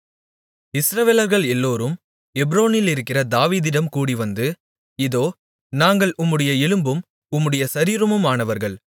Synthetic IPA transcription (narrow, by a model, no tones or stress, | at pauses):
ɪsɾɐʋeːlɐɾɣɐɭɛlːoːɾɯm | ɛbɾoːnɪlɪɾɯkːɪrɐd̪aːʋiːðɪɽɐmkuːɽiʋɐnd̪ɯ | ɪðoː | naːŋɡɐɭʊmːɯɽɐjɐɛlɯmbɯm | ʊmːɯɽɐjɐsɐɾiːɾɯmɯmaːnɐʋɐɾɣɐɭ